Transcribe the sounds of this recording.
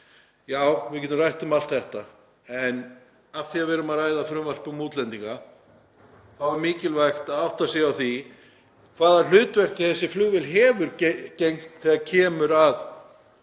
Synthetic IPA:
jaːwvɪvcɛt̪ːʏmrajht̪ʏmalt̪θɛht̪a | ɛn | afθiavɛːɾʏmaðrajðafɾʏmval̥pʏmuːt̪lɛnt̪iŋka | θawɛɾmiːcɪlvajxt̪aðawht̪asiːjawθi | kʰv̥aːðal̥ʏːt̪vɛr̥cɪθɛsːɪflʏɣvɪlɦɛːvʏɾcejŋkt̪θɛɣaɾcʰɛːmʏɾað

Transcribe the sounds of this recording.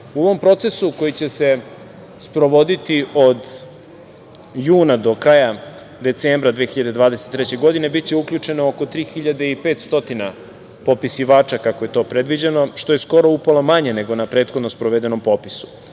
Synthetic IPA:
uoʋo̞mpɾo̞t̪se̞suko̞jit͡ɕe̞se̞ | spɾo̞ʋo̞d̪it̪io̞d̪ | juːnad̪o̞kɾaːja | d̪e̞t̪seːmbɾad̪ʋeːxiʎad̪ed̪ʋaːd̪eset̪ːɾɛt͡ɕeɡo̞d̪ine̞bit̪t͡ɕe̞ukʎut͡ʂe̞nooko̞t̪ɾiːxiʎad̪eipeːt̪st̪o̞t̪ina | po̞pisiʋaːt͡ʃakakoje̞t̪o̞ːpɾe̞d̪ʋid͡ʑe̞no̞ʃt̪o̞je̞sko̞ɾo̞upolomaɲe̞ne̞ɡo̞napɾe̞ːt̪xo̞d̪no̞spɾoʋed̪e̞no̞mpo̞pisu̥

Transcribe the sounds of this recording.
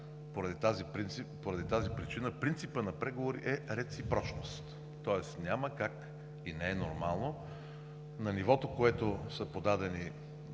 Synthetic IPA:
poɾɐd̪it̪azipɾint̪sipoɾɐd̪it̪azipɾit͡ʃinəpɾint̪sipənɐpɾɛɡovoɾḭʔɛɾɛt̪sipɾɔt͡ʃnost̪ː | ɔɛst̪nʲaməkak | inɛɛnoɾmalˠno | nɐnivɔt̪okoɛt̪osəpod̪ad̪ɛni

